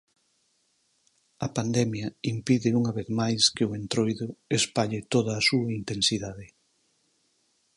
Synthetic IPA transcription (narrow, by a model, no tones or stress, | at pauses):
ɐpand̪ɛmjɐimpiðɪuŋɐβeθmajskɪʊent̪ɾojðʊespaʎɪt̪oðɐːsuɐint̪ensiðaðɪ